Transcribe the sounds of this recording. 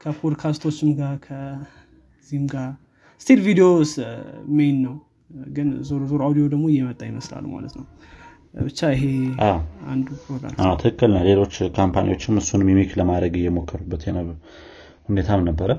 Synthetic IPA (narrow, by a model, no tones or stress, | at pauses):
kʰəpʰod̪kʰast̪ʰo̞t͡ʃːɪmɡaɾkʰə | zihmɡa | st̪ʰelvid̪eosmejnːəw | ɡɨnzoɾzoɾawd̪iod̪əɡmo̞jːɛmət̪ʼːajɪməsla̰lːma̰lə̰t̪nəw | bɨt͡ʃːaɨɦe̞ʔaa̰nd̪upɾoɡla̰mʔawt̪ʰɨkɨkːɨlnəwle̞lo̞t͡ʃːkʰompʰanḭwo̞t͡ʃːɪmhɨsːunmimikləmad̪ɾəɡɨjːɛmo̞kʰːəɾubːət̪jɛnəβ | hunet̪ʰamnəbːəɾə